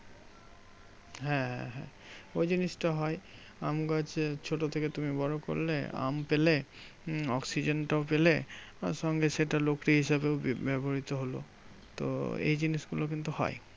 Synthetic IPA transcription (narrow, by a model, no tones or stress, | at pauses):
ɦɛ̃ɦɛ̰̃ɦɛ̰̃ | ojd͡ʑiniʃʈaɦɔe | amɡad͡ʑt͡ɕʰoʈot̪ʰeket̪umibɔɾoko̰ɾlḛa̰mpele | ɔksid͡ʑenʈaopeleaʃɔŋɡeʃeʈalokɾiɦiʃabewbɛboɾit̪oɦolo̰ | t̪o̰ḛjd͡ʑiniʃɡulok̬int̪uhɔ̰j